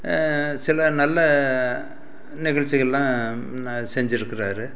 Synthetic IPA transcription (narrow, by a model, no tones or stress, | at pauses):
sɪlɐnɐlːɐ | nɪɣɐɭt͡ʃːɪɣɐɭlãː | sɛɲd͡ʒɪɾɯkːɪɾaːɾɯ